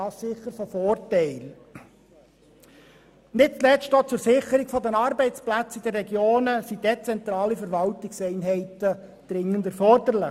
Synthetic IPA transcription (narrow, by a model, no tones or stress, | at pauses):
ɑːssɪχːəɾfɔfɔːrtɛɪl | nɪt̚t͡slɛstoːt͡sʊɾsɪχəɾɪɡ̥fɔd̪ənɑɾbɛɪt͡splæt͡sid̥̪ərːɛɡjoːnəsid̥ɛt͡sɛnt̪ɾɑːlifɛɾʋɑltɪksɛɪnɦɛɪtə | d̪̥ɾɪŋːəndɛɾfɔrd̥̪əɾlɪ